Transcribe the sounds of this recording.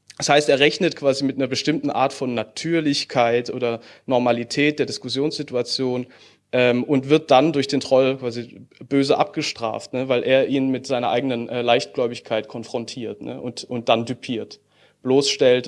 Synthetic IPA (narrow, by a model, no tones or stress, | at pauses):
d̥ashaɪsteːɐʁɛçnətkv̥aːzimɪt̚ʔanɐbəʃtɪmtn̩ʔa̰ːɐtfɔnːatʰyːɐlɪçkʰaɪtʔoːdɐnɔɐmalitʰɛːt̚d̥eːɐdɪskʊsjoːnsz̥ɪtuat͡sjoːn | ʔɛːmʔʊntv̥ɪɐt̚d̥andʊɐçd̥eːntʁ̥ɔlkv̥aːzib̥øːzəʔa̰p̚ɡ̥əʃtʁ̥a̰ːftnəvaɪlʔeːɐʔiːnmɪtz̥aɪnɐʔaɪɡənənʔɛːlaɪçt̚ɡ̥lɔʏbɪçkʰaɪtkʰɔnfʁ̥ɔntʰiːɐtnə̰ʔʊ̰ntʔʊnt̚d̥andypʰiːɐt | b̥loːsʃtɛlt